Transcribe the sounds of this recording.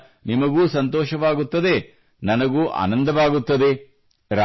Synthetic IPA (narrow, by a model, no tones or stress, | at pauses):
nimɐɡuːsɐnt̪ɔːʃɐʋaːɡut̪ːɐd̪e̞ | nɐnɐɡuːʔa̰ːnɐnd̪ɐʋaːɡut̪ːɐd̪e | ɾa